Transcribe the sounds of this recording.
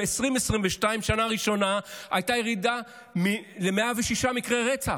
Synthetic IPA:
esʁimesʁimbeʃtaimʃanaʁiʃo̞naajtajeʁida | milemeaveʃiʃamikʁeʁet͡sa

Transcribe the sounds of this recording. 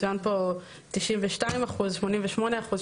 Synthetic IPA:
ujanpo | tiʃimveʃtaimaχuzʃmonimveʃmo̞neaχuz

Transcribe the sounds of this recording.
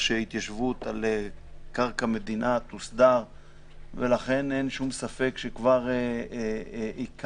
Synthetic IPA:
ʃeit̪jaʃvut̪alekaʁkame̞d̪inʔat̪usd̪aʁ | velaχe̞nenʃumsafe̞kʃekvaʁe | ik

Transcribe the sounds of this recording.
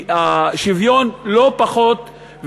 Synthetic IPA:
aʃivjonlo̞paχo̞t̪ | v

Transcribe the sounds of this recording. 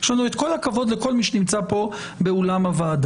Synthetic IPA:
jeʃlanuet̪ko̞lhakavo̞d̪leko̞lmiʃenimt͡sapo̞ | be̞olamavaːd̪

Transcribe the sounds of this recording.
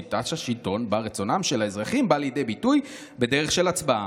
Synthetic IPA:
it̪aʃhaʃilto̞nbaʁet͡so̞namʃe̞laezʁaχimbaljide̞jbituj | be̞de̞ʁ̞eχʃe̞lat͡sbaa

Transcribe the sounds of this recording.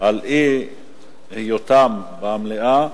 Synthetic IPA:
alʔi | hijot̪am | beamleʔa

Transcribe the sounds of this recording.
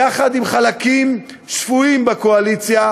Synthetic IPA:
aχad̪imχalakim | ʃfuimbakoalit͡sja

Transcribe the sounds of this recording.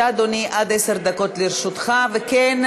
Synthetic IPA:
ad̪oniʔad̪eseʁd̪ako̞t̪liɾʃut̪χaveken

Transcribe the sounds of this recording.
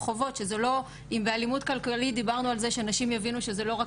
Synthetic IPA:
χovo̞tʃe̞zelo̞ | imbealimutkalkalit̚dibaʁnualzeʃeanaʃimjavinuʃezelo̞ʁa

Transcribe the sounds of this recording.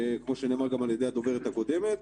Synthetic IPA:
kmo̞ʃeneːmaʁɡamaljed̪ead̪o̞ve̞ʁet̪hako̞d̪e̞me̞t̪

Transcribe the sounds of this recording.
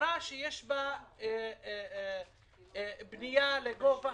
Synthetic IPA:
ɾɑːʃjɪʃba | bnɪjalɪɡofa

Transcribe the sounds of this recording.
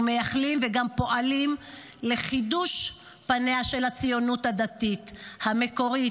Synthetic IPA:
me̞jaχlimveɡampo̞ʔalim | le̞χiduʃ | paneaʃe̞lhat͡sijonuthad̪atit̪hameko̞ʁi

